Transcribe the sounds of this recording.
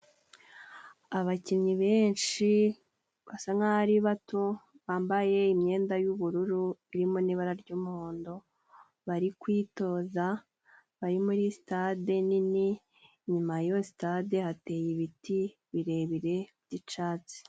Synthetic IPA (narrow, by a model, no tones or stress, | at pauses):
aβaciɲɲiβe̞ːnʃi | βasaŋaaɾiβato | βaːmbaje̞imɲe̞ːndajuβuɾuɾuiɾimoniβaɾaɾɟuːmuhoːndo̞ | βaɾikwiːto̞ːza | βaɾimuɾisi̥tadenini | ɲumajosi̥tade̞hate̞ːjiβiti | βiɾe̞βiɾe̞bɟit͡ʃaːt͡si̥